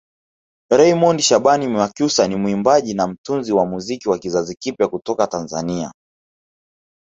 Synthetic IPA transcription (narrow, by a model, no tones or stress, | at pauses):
ɾɛimɔndiʃaɓanimakjusanimwimbaʄinam̩tunziwamuzikiwakizazikipjakutɔkatanzania̰